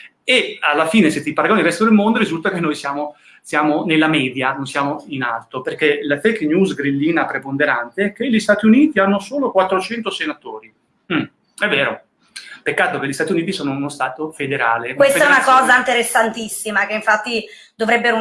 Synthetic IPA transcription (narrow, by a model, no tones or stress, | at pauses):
ealːafiːneset̪ːipaɾaɡonilrɛst̪od̪elmond̪oɾizult̪akenːojsjaːmo | sjaːmonelːamɛːd̪janonsjaːmoina̰lt̪operkelafejknjuːzɡɾilːiːnapɾepond̪eɾant̪eɛkːeʎːist̪aːt̪iuniːt̪ianːosoːlokwat̪ːɾot͡ʃɛnt̪osenat̪oːɾi | m̩ | ɛvːɛːɾo̰ | pekːaːt̪okelʎːist̪at̪iuniːt̪isoːnounost̪aːt̪ofed̪eɾaːleuwest̪ɛunakɔːzaint̪eɾesːant̪isːimakeiɱfat̪ːi | d̪ovɾɛbːeɾo